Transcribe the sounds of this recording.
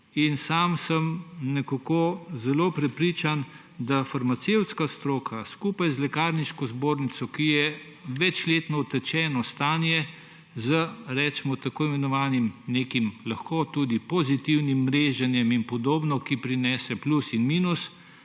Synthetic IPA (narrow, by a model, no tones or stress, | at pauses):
insamsəmnɛkakozɛloːpɾɛpɾiːt͡ʃan | d̪afaɾmat̪sewt̪skast̪ɾoːkʰaskupajzlɛkaːɾniʃkɔzboːɾnit̪sɔkijɛ | ʋɛt͡ʃleːt̪nɔɔt̪ət͡ʃɛːnɔst̪aːnjɛ | zəɾɛːt͡ʃɛmɔt̪akoːimɛnɔʋaːnimnekimlaxkot̪uːd̪ipɔzit̪iwnimːɾeʒɛnjɛminpɔd̪oːbnɔkipɾinɛːsɛplusinmiːnus